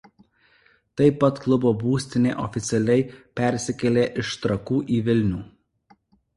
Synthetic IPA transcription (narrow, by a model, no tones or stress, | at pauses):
t̪ɐɪpːɐt̪klˠʊboːbuːsʲt̪ʲɪnʲeːʔɔfʲɪt̪sʲɛlʲɛɪpʲɛˑɾʲsʲɪkʲɛlʲeːʔɪʃt̪ɾɐkuːʔiːʋʲɪlʲnʲuː